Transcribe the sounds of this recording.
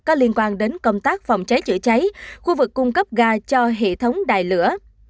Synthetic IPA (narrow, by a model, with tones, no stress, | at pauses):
kɔ˨˦li˧ənkwaː˧nɗe˨˦nkə˧wŋ͡mt̪aː˦˥k̚fa˨˩wŋ͡mt͡ɕa˨˦jt͡ɕɨ̰˧˨t͡ɕa˨˦jxu˧vɨ˨˩kːʊ˧ŋ͡mkə˦˥p̚ɣaː˧t͡ɕɔ˧ɦḛ˧˨t̪ʰə˨˦wŋ͡mɗa̰ː˧˨jlɨ̰˧˥ə